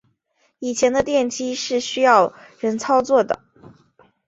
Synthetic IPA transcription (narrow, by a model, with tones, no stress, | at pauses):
i˨˩t͡ɕʰjɛ˧˥nd̪ə˧t̪jɛ˥˩nt͡ɕi˥ʂɻ̩˥˩ɕy˥jɑ˥˩ʊɻə˧˥nt͡sʰɑ˥ʊt͡swɔ˥˩d̪ə̰˩